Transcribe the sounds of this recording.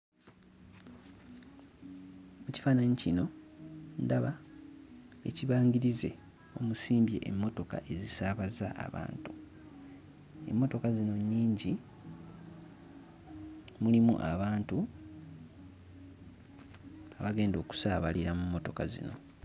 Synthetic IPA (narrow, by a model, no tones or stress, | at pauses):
muci̥faːnaɲicino̞ndaβa | e̞ciβaːŋɡiɾize̞̰ | o̞musiːmbje̞̰ʔːmːo̞to̞ka̰ʔe̞zisaːβaza̰a̰βa̰ːntu | e̞̰mːo̞to̞kazino̞ɲːiːɲɟi | mulimṵʔa̰βaːntu | aβaɡe̞ːndo̞ːku̥saːβaliɾamumːo̞to̞kazḭno̞̰